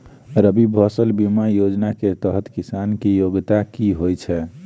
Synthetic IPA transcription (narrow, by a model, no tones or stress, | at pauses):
ɾəbibʱəsəlbimajod͡ʒnaket̪əɦt̪kisankijoɡt̪akiɦojt͡ʃʰɛ